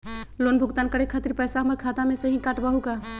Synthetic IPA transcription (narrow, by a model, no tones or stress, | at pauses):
lonbʱuɡt̪ankəɾekʰət̪ɾipəjsaɦəməɾkʰat̪ameseɦĩkaʈbəɦuka